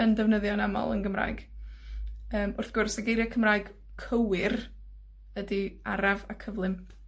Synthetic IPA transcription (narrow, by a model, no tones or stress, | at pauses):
ɛndɛvnəðjɔnamɔ̰lˠə̰nɡəmra̰ːjɡ̥ | əːmʊrθɡ̥ʊrsaɡejɾjakʰəmraːɨɡ̥ | kʰəwɪr | ədia̰ɾavakʰəvlˠɨm